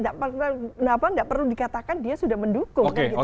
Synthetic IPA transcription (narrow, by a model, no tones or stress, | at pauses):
ndaʔpənapandaʔpərludikat̪akandiasudahməndukʊoŋkɡit